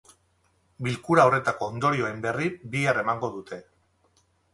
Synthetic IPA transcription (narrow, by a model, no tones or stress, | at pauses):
bilkuɾaore̞t̪ako̞ːnd̪o̞ɾio̞e̞mbe̞ribiare̞maŋɡo̞ðut̪e̞